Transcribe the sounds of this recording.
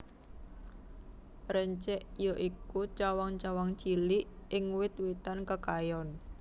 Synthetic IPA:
ɾəɲt͡ʃɛʔjɔʔikut͡ʃawaŋt͡ʃawaŋt͡ʃiliʔɪŋwɪt̪wet̪ankəkajɔn

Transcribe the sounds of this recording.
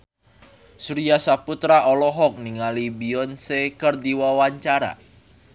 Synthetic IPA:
suɾiasaput̪ɾaʔɔlɔɦɔk̚niŋalibiɔnsekərdiwawaɲt͡ʃaɾa̰

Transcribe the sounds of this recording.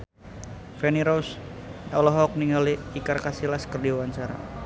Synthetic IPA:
fɛniɾows | ɔlɔɦɔk̚niŋaliikarkasilaskərdiwaɲt͡ʃaɾa̰

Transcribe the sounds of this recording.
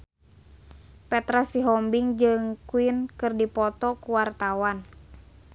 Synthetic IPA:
pɛt̪ɾasiɦɔmbiŋd͡ʒɨŋkuinkɨrdipɔt̪ɔkuwart̪awan

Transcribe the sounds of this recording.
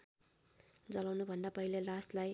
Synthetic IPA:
d͡zʌlawnubʱʌnd̪apʌɦilelaslaj

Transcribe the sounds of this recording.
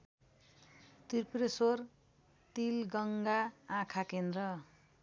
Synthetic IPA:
t̪irpresor | t̪ilɡʌŋɡaãkʰakend̪rʌ

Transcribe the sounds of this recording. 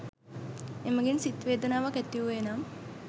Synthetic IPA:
eməɡinsit̪ʋeːd̪ənaːʋakæt̪ːiʋuʋeːnam

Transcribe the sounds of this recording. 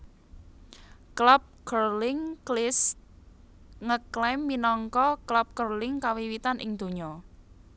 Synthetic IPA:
klap̚kərlɪŋlɪs | ŋəklɛmːinɔŋkɔklap̚kərlɪŋkawiwit̪anʔɪ̰ŋd̪̥o̤ɲɔ

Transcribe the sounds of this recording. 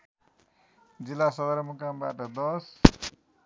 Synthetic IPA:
d͡zilːasʌd̪ʌɾmukamba̰ʈʌd̪ʌs

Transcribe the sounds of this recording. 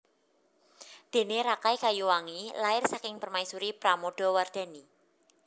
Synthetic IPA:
d̪̥e̤neɾakajkajuwaŋilaɪrsakɪŋpərmaisuɾipɾamoɖ̥ɔ̤ward̪̥a̤ni

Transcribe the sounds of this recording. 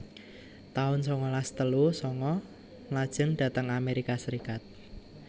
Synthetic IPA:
t̪aʊnsɔŋɔlast̪əlusɔŋɔ | ŋlad̥ʒ̥ə̤ŋd̥ä̤t̪əŋameɾikasəɾikat̪̚

